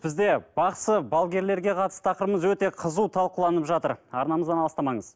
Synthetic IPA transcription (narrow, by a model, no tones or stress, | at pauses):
b̥ɪzd̪e̞b̥ɑqsəbɑlˠɡʲe̞ɾle̞ɾɡʲe̞qʰɑt̪əsə̥t̪ʰɑqəɾəməzwɵt̪e̞qʰəzut̪ʰɑlˠqulˠɑnəpʒɑt̪əɾɑ̰ɾnɑməzd̪ɑnɑlˠst̪ɑmɑɴəz̥